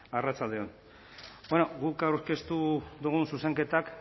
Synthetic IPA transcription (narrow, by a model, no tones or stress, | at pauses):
arat͡sald̪e̞on | benoɡukawɾke̞st̪ud̪uɣ̞unsuse̞ŋke̞t̪ak